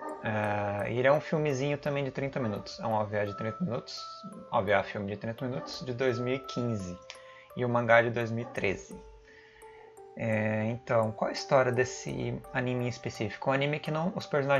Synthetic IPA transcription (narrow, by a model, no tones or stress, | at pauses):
ɛḛlɛũfiwmɪzĩɲʊt̪ɐ̃mbẽj̃d͡ʒɪt̪ɾĩnt̪ɐmĩnṵt̪ʊ̥sɛ̰ũaviad͡ʒɪt̪ɾĩnt̪ɐmĩnut̪ʊ̥sa̰viafiwmɪd͡ʒɪt̪ɾĩt̪ɐmĩnut̪ʊ̥z̥d͡ʒɪd̪ojzmiwikʰĩzɪ | ɪʊmɐ̃ŋɡad͡ʒɪd̪ojzmiwit̪ɾezɪ | ɛẽnt̪ɐ̃w̃kwawɛist̪ɔɾʲiɐd̪esɪ̰anĩmɪẽispesifi̥kʊ̃anĩmɪkɪnɐ̃w̃ʊspeɾsonaʒ